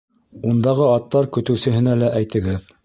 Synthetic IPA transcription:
und̪ɑʁɤɑt̪ːɑɾkɵ̆t̪ɵ̆wsɘ̆ɦɘ̆nælæʔæjt̪ɘ̆ɡɘð

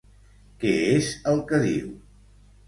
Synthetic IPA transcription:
kɛezəlˠkəðḭw

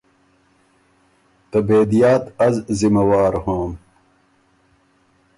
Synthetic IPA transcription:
t̪ɐbeːd̪ijaːt̪ɐzzimɐwaːɾhoːm

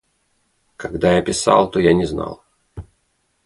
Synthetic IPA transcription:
kɐɡd̪ajapʲɪsa̰lˠt̪ojanʲɪzna̰lˠ

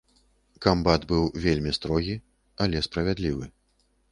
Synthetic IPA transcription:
kambat̪bɨwvʲelʲmʲist̪ɾɔɣʲi | alʲɛspɾɐvʲad̪lʲivɨ

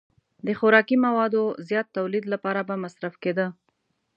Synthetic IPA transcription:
d̪əxʊɾɑkimawɑd̪ozjɑt̪ːawlid̪lapɑɾabamasɾafked̪ə

